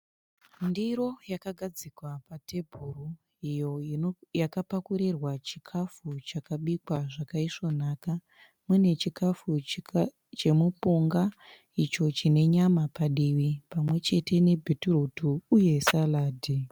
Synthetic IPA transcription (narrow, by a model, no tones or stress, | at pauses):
ndiɾo̞jakaɡʱad͡zikwapatebʱuru | ijojakapakuɾerwat͡ʃi̥kʰafut͡ʃakaɓikwaʐakaiʂo̞naːka | mune̞t͡ʃikafu | t͡ʃe̞mupuŋɡa | it͡ʃo̞t͡ʃine̞ɲamapaɗiʋipamwe̞t͡ʃe̞te̞ne̞bʱeturutuuje̞salaːdʱi